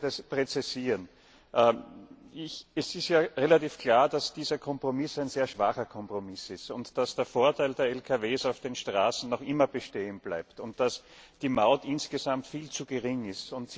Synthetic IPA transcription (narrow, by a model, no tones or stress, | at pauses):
ɛspʁ̥ɛt͡sisiːʁən | ʔɛ | ɪçɛsɪstjaːʁelatiːfkʰl̥aːɐd̥asd̥iːzɐkʰɔmpʁ̥omɪsæɪnz̥eːɐʃv̥aχɐkʰɔmpʁomɪsɪstʊntd̥asd̥eːɐfoːɐtaɪldeːɐɛlkʰaveːsaʊfd̥eːnʃtʁ̥aːsn̩nɔχʔɪmɐbəʃteːənb̥la̰ɪptʊnt̚d̥as | d̥iːmaʊtɪnsɡ̥əzamtfiːlt͡suɡəʁɪŋɪstʊnts